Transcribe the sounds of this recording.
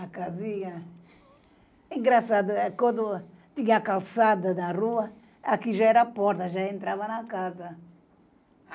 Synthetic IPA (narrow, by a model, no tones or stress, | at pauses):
akaziɲɐ | ĩŋɡɾasad̪ʊkõnd̪ʊ | t̪iɲakalsad̪ɐd̪aruɐ | akiʒaɛɾapɔɾt̪ɐʒaẽnt̪ɾavɐnɐkazɐ